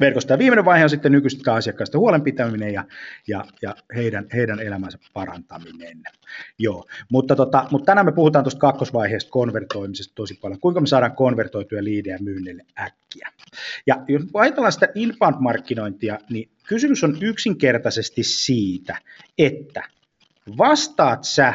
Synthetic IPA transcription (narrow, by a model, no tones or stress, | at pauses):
ʋerkost̪ɑjɑʋiːmeneʋʋɑiheonsit̪ːennykyst̪æːɑsiɑkːɑːst̪ehuolempit̪æminejɑjɑjɑheidænheidænelæmænsɑppɑrɑ̰nt̪ɑminen | joːmut̪ːɑt̪ot̪ɑmut̪t̪ænæːmepuhut̪ɑːnt̪ost̪̚kɑkːosʋɑiheːst̪̚konʋert̪oimisest̪t̪osipɑljoŋkuiŋkɑmesɑːɾɑːŋkonʋert̪oit̪ujɑliːdeæmyːnːeilːeækːiæ̰jɑjosmykuɑjɑt̪elːˑɑːnsi̥t̪æʔilpɑːnt̪mɑrkːino̞int̪iɑni | kysymysonyksiŋkert̪ɑsest̪issiːt̪æ | et̪ːæ | ʋɑst̪ɑːt̪sæ